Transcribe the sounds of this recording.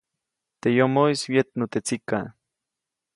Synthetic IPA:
t̪ejomoiswjet̪̚not̪et͡sika

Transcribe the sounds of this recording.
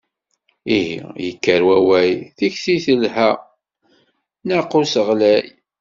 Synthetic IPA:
iɦḭjəkːəɾwæwæjθiçsiθəlhæ | naqːʊsəʁlæj

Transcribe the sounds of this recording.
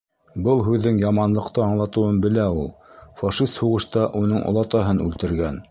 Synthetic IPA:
bɤlˠɦʉðːɘŋjɑmɑnlˠɤ̆qt̪ɤɑɴlˠɑt̪ɤ̆wɤnbɘ̆læulˠfɑʃist̪huʁɤ̆ʃt̪ɑʔunɤɴʔŏ̰lˠɑt̪ɑɦɤnʉlt̪ɘ̆ɾɡæn

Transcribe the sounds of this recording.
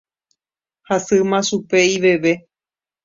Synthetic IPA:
hasɨmãʃupeiʋe̞ʋe̞

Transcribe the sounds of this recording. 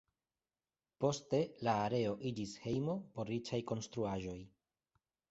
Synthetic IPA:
po̞ste̞laːɾe̞o̞ʔid͡ʒishe̞jmo̞po̞ɾit͡ʃajko̞nstɾuaʒo̞j

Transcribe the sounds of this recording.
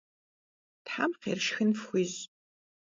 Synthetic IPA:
tħa̰ːmqḛːrʃxɨnfxʷiːz

